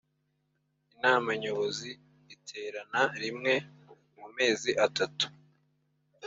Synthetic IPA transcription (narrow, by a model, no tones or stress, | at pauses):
inaːmaɲo̞βo̞zi | itʰe̞ːɾanaɾimŋe̞ | mume̞ːziʔatatu̥